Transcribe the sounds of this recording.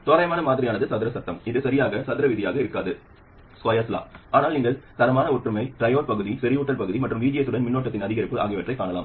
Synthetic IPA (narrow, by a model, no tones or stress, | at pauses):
t̪oːɾɐjɐmaːnɐmaːðɪɾɪjaːnɐðɯsɐðɪɾɐsɐt̪ːɐmɪðɯsɐɾɪjaːɣɐsɐðɪɾɐʋɪðɪjaːɣɐɪɾɯkːaːðɯ | skɐjɐsla̰ːʔaːnaːlɪŋɡɐɭt̪ɐɾɐmaːnɐɔʈːrɯmɐɪʈɾɐjoːɾpɐɣɯðisɪɾɪjuːʈːɐlpɐɣɯðimɐʈrɯmʋiːd͡ʒɪjɐsɯɽɐnmɪnːoːʈːɐt̪ːɪnɐðɪɣɐɾɪpːɯʔa̰ːɣɪʋɐʈrɐɪkːaːɳɐlaːm